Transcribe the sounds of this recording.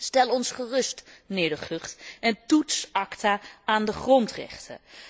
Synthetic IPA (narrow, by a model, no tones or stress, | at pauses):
stɛlˠɔnsχərɵstnɪːɹdəχøχtɛntutsɑktaaːndəχrɔntrɛ̰χtʰə̰